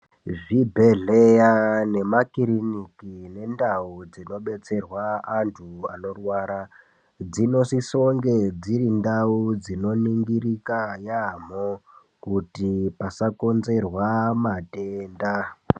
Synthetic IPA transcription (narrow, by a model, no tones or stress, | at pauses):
ʐibʱeɮejane̞makiɾinikine̞ndaud͡zino̞ɓe̞t͡se̞rwaantʰuano̞rwaːɾa | d͡zino̞siso̞ŋɡe̞d͡ziɾindaud͡zino̞niŋɡirikajam̤o | kutipasako̞nze̞rwamateːnda